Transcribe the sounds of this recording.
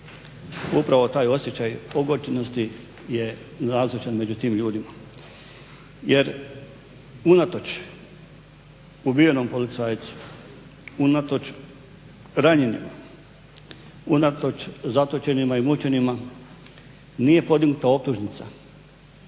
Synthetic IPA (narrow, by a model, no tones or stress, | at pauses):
upɾaʋo̞t̪aːjo̞sje̞t͡ɕajoɡot͡ɕenost̪i | je̞naːzlit͡ʃanme̞d͡ʑut̪iːmʎuːd̪ima | je̞ɾ | unat̪ot͡ʃ | ubijeno̞mpo̞lit̪saːjt̪su̥ | unat̪ot͡ʃ | ɾaɲenḭma̰ | unat̪o̞t͡ʃzat̪ot͡ʃe̞nimaimut͡ɕe̞nima | niːje̞po̞d̪iɡnut̪ao̞p̚t̪uʒnit̪sa